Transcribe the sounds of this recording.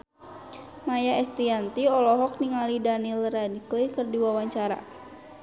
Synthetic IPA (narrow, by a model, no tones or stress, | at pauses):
majaɛst̪iant̪iɔlɔɦɔk̚niŋalidanilradiklikərdiwawaɲt͡ʃaɾa̰